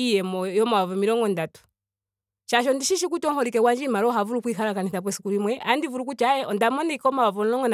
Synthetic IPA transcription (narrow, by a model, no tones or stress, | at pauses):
ijɛmɔjɔmawavɔmiɾɔŋɡɔndatu̥ | ʃaʃɔndiʃiʃikutɔŋhɔɾikɛwand͡ʒimaɾɔɦavuɾukwiɦaɾakaniθap̬wɛsi̥kuɾimwɛʔa̰ndivuɾukut͡ʃajɛʔɔndamɔnɛikɔmawavɔnlɔŋɡɔn